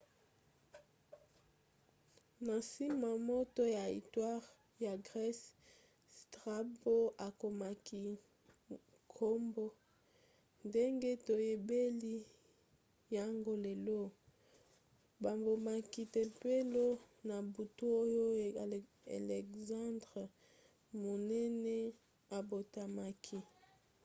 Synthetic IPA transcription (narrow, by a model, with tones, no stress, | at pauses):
na˨si˦ma˨mo˦to˦ja˨ḭ˨twa˦ʁ | ja˨ɡʁɛ˦s | tʁa˦bo˦a˨ko˨ma˨ki˨ | kʰo˦mbo˦ | nde˦ŋɡe˦to˨je˨be˦li˦ | ja˨ŋɡo˦le˨lo˦ | ba˨mbo˨ma˨ki˨te˨pe˦lo˦ | na˨bu˨tu˦o˦jo˦˨ | a̰˨lɛ˨kzã˦ndʁ | mo˨nɛ˦nɛ˦ | a˨bo˨ta˨ma˨kʰi˨